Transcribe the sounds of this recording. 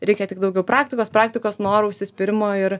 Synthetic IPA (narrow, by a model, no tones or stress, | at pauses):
ɾʲɛɪkʲɛt̪ʲɪkd̪ɐʊɡʲɛʊpɾɑːkt̪ʲɪkoːspɾɑːk̚t̪ʲɪkoːsnoːɾʊʊʃʲsʲɪsʲpʲɪɾʲɪmoːɪɾ